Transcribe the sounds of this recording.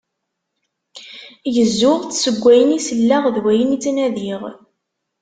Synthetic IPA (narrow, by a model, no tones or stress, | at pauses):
jəzːʊʁt͡ssəɡʷːæjənisəlːæʁðwæjənit͡sːnæðiʁ